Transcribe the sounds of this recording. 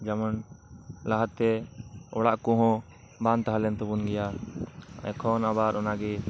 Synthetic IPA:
d͡ʒamanlaɦad̪̚t̪ɛɔɽaʔkɔɦɔ̃ | bant̪aɦalɛnt̪ɔbunɡɛja | a̰kʰɔnabaɾʔɔnaɡɛ

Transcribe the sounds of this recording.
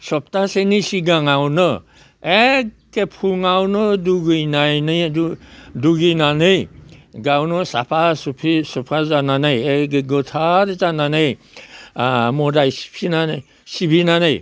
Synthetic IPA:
sɔp̚tasenisiɡaŋawnɯ | ekːepʰuŋawnɯduɡɯjnajnɯ | duɡinanɯjɡawnɔsa̰pʰaspʰisɔpʰazananajeɡeɡɔtʰaɾzananɯj | mɔdajsi̥pʰinanaj | sibʱinanaj

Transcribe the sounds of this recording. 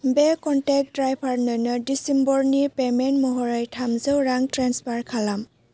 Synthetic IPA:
bekɔntɛk̚dɹajpʰaɹnɔjnɔdisimbɔɹnipemɛntmɔɦɔɹajtʰamzɯwɹaŋtɹanspʰaɹkʰalam

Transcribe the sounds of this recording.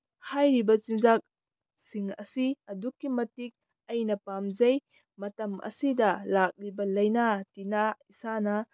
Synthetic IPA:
hajɾibɐt͡ʃinzak̚ | siŋɐ̰siɐdukːimɐtik̚ | ɐjnɐpamzɐj | mɐtɐmɐ̰sidɐlak̚libɐlɐjnatinaisanɐ

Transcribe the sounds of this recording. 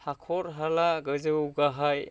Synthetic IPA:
hakʰɔɾɦalaɡɯzɯɡaɦaj

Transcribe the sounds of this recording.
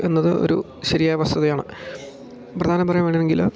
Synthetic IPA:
e̞nːɐðɨo̰ɾu | ɕɐɾijaːʋɐst̪ɐðɐjaːɳɨ̰ | prɐd̪ʱaːnɐmpɐrɐjumʋeːɳɖineŋɡil

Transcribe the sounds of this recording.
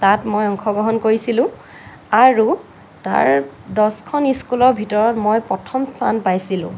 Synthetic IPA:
tatmojɔŋxʰɔɡɹɔɦɔnkoɹisilʊ̃ | aɹu | ta̰ɹdɔskʰɔniskulɔɹbʱitɔɹɔtmojpɹɔtʰɔmstʰa̰npajsilʊ̰̃

